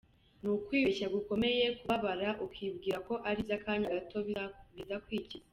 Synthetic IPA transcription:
nukwiːecaɡuko̞me̞je̞kuβaβaɾaʔukwiːbɡiːɾako̞ʔaɾizakaːndiaɾatoβitakwiːciza

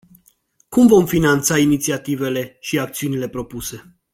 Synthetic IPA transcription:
kumvo̞mfinant̪sainit̪siat̪ive̞le̞ʃiak̚t̪siunile̞pɾo̞puse̞

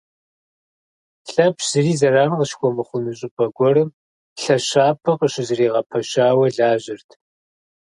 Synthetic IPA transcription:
ɬʼɐpɕzɨriːzɐraːnʁəʃkʷʰʼɔmɨχʷʊnɨɕʼɪpʼɐɡʷɔrɨm | ɬɐɕaːpʰɐqʼəɕɪzɨriːʁɐpʰɐɕaːwɐɮaːʑɪrtʰ

